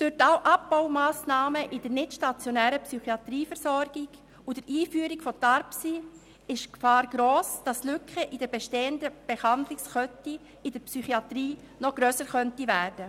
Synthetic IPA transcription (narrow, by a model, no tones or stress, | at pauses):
d̥ʊɾtawʔɑp̚b̥awmaːsnɑːməʔɪd̥əɾnɪtʃtɑt͡sjonæːɾəpsyχiɑtɾiːfɛɾsɔɾɡ̥ɪɡ | ʊd̥əɾʔiːfyəɾɪkfɔtaɾpsi | ɪʃkfɑːɾɡ̥ɾoːsd̥ɑslʏkχəʔɪd̥əɾbeʃteːəndəb̥ehɑndlɪkskœti | ɪdəɾpsyχiɑtɾiː | nɔɡ̥ɾœːsəɾχœntivæːɾd̥ə